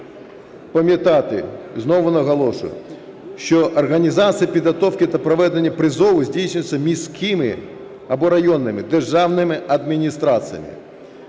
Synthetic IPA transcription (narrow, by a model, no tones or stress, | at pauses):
pɐmʲjɐt̪ɑt̪ɪ̰znɔʋʊnɐɣɐlˠɔʃʊ̰jʊ̰ | ʃt͡ʃɔʔɐrɣɐnʲizat̪sɨjɐpʲid̪ɣɐt̪ɔwkʲɪt̪ɐpɾɔʋɛd̪enʲːɐpɾɪzɔwʊzʲdʲijsʲnʲʊjt͡sʲsʲːɐmʲisʲkʰʲɪmɪ̰ | ɐbɔɾɐjɔnːɪmɪd̪erʒɑwnɪmɪɐd̪mʲinʲist̪ɾat̪sɨjɐ̰mʲɪ̰